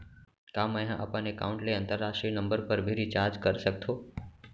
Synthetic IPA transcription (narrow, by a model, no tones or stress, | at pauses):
kaməjɦãʔə̰panekaũɳʈleə̃nt̪əɾːaʃʈɾinəmbəɾpəɾbʱiɾit͡ʃaɾd͡ʒkəɾsək̚t̪ʰo